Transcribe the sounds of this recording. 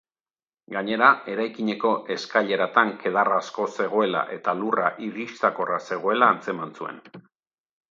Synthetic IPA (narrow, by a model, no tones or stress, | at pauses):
ɡaɲe̞ɾae̞ɾajkiɲe̞ko̞ʔe̞skaʎe̞ɾat̪aŋke̞ðaraːsko̞se̞ɣ̞o̞e̞la̰ʔe̞t̪alura̰ʔiɾist̪ako̞rase̞ɣ̞o̞e̞laːnt͡se̞mant͡sue̞̰n